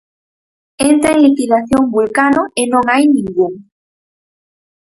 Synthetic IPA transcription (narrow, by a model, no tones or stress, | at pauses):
ent̪ɾaeŋlikiðaθjoŋbulkanoenõŋajnĩŋɡuŋ